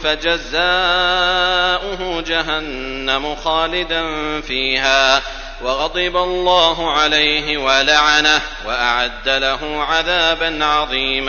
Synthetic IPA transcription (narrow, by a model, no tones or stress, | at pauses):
fad͡ʒazaː | ʔʊɦʊd͡ʒaɦanː | amʊxaːlɪd̪anfiːɦaː | wɑɣɑd̪ˤɨbalˤːɑːɦʊʕalajɦɪwalaʕana | waʔaʕad̪ːalaɦʊʕaðaːbanʕɑðˤiːm